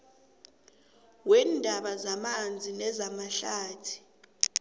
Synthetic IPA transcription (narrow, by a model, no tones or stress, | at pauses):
wɛndʱaɓazamand͡zʱinɛzamaɬaːtʰi̥